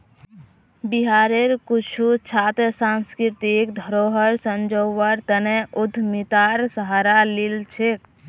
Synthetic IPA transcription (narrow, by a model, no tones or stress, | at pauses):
biɦaɾeɾkut͡ʃʰut͡ʃʰat̪esanskɾit̪ikd̪ʱəɾoɦəɾsənd͡ʒoʋəɾt̪əneud̪ʱmit̪aɾsəɦaɾalilt͡ʃʰek